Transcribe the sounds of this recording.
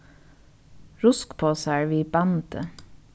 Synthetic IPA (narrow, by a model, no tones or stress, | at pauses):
ɹʊskpʰoːsæːɹʋiːbɑnt̪ə̰